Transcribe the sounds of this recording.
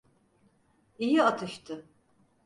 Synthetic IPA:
ijiat̪ʰɯʃt̪ʰɯ

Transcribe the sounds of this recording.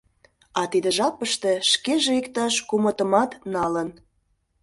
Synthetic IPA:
ɑt̪id̪ə̆ʒɑpəʃt̪e̽ʃkeʒeikt̪ɑʃkumə̆t̪ə̆mɑt̪nɑlən

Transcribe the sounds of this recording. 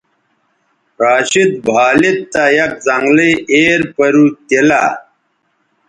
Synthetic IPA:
ɾaːɕit̪̚bʱaːlit̪ːajɐk̚zɐŋɡleeːɾpɐɾuːt̪ela̰

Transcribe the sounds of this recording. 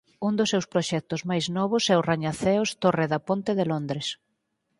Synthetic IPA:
und̪ʊsːewspɾoʃɛk̚t̪ʊzmajznɔβ̞ʊsɛʊraɲaθɛʊst̪oreðɐpont̪ɪðɪlond̪ɾes

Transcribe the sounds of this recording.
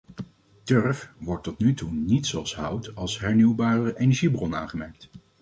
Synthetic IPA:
døɹfʋɔɹtːɔtnytunitsoɑlˠsɦʌwtɑlˠsɦɛɹnywbaːɹərəʔejnɛɹʒibrɔna̰ːnχəmɛɹk̚t

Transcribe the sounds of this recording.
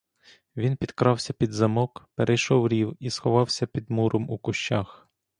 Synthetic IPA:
ʋʲinpʲid̪kɾɑwsʲɐpʲid̪zɐmɔkpeɾʔɛjʃɔwɾʲiwisxɔʋɑwsʲɐpʲid̪muɾʔɔmukʊʃt͡ʃɑx

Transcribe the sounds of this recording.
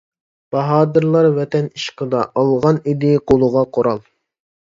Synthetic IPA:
b̥ɑɦɑːd̪ɨɾlˠɑɾvɛt̪ɛniʃqəd̪ɑʔɑlˠʁɑnid̪ɪqolˠʊʁɑqʰoɾɑlˠ

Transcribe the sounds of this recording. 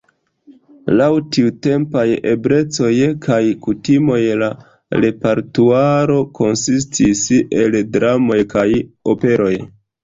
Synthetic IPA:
lawtiute̞mpajebɾe̞t͡so̞jkʰajkutimo̞jla | ɾe̞paɾtuaɾo̞ko̞nsistʰise̞ldɾamo̞jkajo̞pe̞ɾo̞j

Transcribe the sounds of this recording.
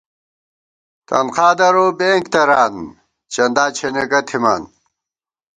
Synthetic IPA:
t̪ɐ̰nqʰaːd̪ɐɾoːbeŋkt̪ɐɾaːn | t͡ɕɐnd̪aːt͡ɕʰeneɡɐt̪ʰima̰ːn

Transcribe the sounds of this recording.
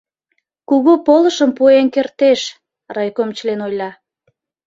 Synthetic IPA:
kuɣupoləʃəmpuenkert̪eʃ | rɑjkomt͡ɕlenojlɑ

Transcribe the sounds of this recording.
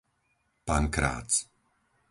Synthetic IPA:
paŋkɾa̰ːt͡s

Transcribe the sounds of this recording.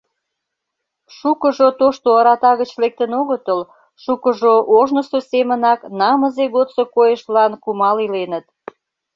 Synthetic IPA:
ʃukəʒot̪oʃt̪oɑɾɑt̪ɑɣət͡ɕlek̚t̪ənoɣət̪əl | ʃukəʒoʔoʒnəsosemənɑknɑməzeɣot̪sokojəʃlɑnkumɑlilenət̪̚

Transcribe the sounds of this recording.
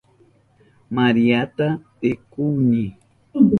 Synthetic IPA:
maɾiat̪apekuɲi

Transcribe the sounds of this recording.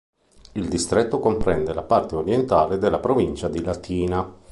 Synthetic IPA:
ild̪ist̪ɾet̪ːokompɾɛnd̪elapart̪eoɾjent̪aːled̪elːapɾovint͡ʃad̪ilat̪ʰiːna

